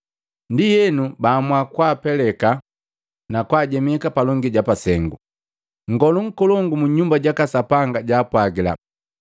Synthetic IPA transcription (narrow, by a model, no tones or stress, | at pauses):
ndijɛnubaːmwakwaːpɛlɛka | nakwaːɟɛmɛkapalɔŋɡiɟapasɛŋɡu | ŋ̩ɡɔluŋ̩kɔlɔŋɡumuɲɲumbaɟakasapaŋɡaɟaːpwaɡila̰